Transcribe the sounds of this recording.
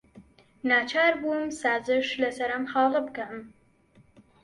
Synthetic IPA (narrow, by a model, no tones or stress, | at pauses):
naːt͡ʃʰaːɾbumsaːzɨʃlɐsɐɾɐmxɑːlɨbɨkɐm